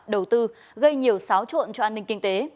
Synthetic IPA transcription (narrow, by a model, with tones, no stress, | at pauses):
ɗə˨˩wt̪ɨ˧ | ɣə˧jɲi˨˩əwsaː˨˦wt͡ɕo̰˧˨nt͡ɕɔ˧ʔaː˧nːï˧ŋ̟kï˧ŋ̟t̪e˨˦